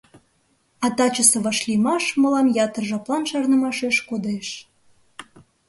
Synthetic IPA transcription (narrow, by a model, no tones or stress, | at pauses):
ɑt̪ɑt͡ɕəsĕβɑʃlʲimɑʃməlɑmjɑt̪ərʒɑplɑnʃɑrnəmɑʃeʃkod̪eʃ